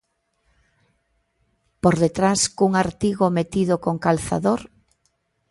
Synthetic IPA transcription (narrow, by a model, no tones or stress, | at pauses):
poɾðet̪ɾaskuŋaɾt̪iɣomet̪iðʊkoŋkalθa̰ðoɾ